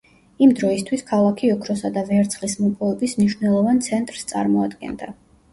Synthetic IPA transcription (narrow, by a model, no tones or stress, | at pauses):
imd̪ɾɔist̪ʰwiskʰalˠakʰiɔkʰɾɔsad̪avɛɾt̪sʰχlismɔpʼɔvɛbismniʃwnɛlˠɔvant̪sʰɛnt̪ʼɾst̪sʼa̰ɾmɔad̪ɡɛ̰nd̪a̰